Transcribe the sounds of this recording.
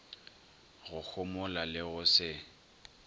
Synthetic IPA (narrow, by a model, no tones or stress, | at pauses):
ɣʊk͡xʰʊmʊlalɪɣʊsɪ